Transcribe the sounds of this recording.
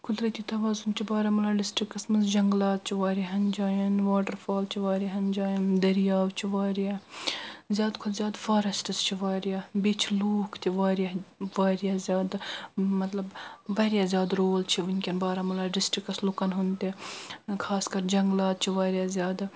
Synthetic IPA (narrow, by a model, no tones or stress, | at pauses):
kʊd̪ɾɐt̪ʲit̪ɐʋaːzunt͡ʃʰibaːɾɐmɐlaːɖɪsʈɾikɐsmɐnzd͡ʒɐŋɡlaːt̪̚t͡ʃʰiʋaːɾaɦɐnd͡ʒaːjɐnʋaːʈəɾfaːlt͡ʃʰiʋaːɾɐɦɐnd͡ʒaːjɐnd̪ɐɾjaːʋt͡ʃʰiʋaːɾjaː | zʲjaːd̪kʰʊlzʲjaːd̪faːɾɐsʈɐst͡ʃʰiʋaːɾjabit͡ʃʰloːkʰt̪ʲiʋaːɾjaʋaːɾjaːzʲjaːd̪mɐt̪lɐbʋɐːɾjaːzʲjaːd̪ɾoːlt͡ʃʰiʋinʲkʲɐnbaːɾɐmɐlaːɖɪsʈɾikɐslukɐnɦunt̪ikʰaːskɐɾd͡ʒɐŋɡlaːt̪̚t͡ʃʰiʋaːɾjazʲjaːd̪